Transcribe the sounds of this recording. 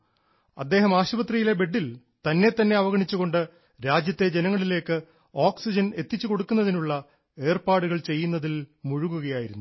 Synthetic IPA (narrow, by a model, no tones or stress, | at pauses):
ɐd̪ːe̞ːɦɐmaːɕɐbɐt̪rijile̞be̞ɖːil | t̪ɐnːe̞t̪ːɐnːe̞ɐʋɐɣɐɳit͡ɕːuɣo̞ɳɖɨ | ɾaːd͡ʑjɐt̪ːe̞d͡ʑe̞nɐŋːɐɭile̞ːkːɨ | oːksid͡ʑɐne̞t̪ːit͡ɕːuko̞ɽukːunːɐðinuɭːɐ | e̞ːrpaːɽuɣɐɭt͡ɕe̞jːunːɐðilmuɻuɣuɣɐjaːjiɾunːu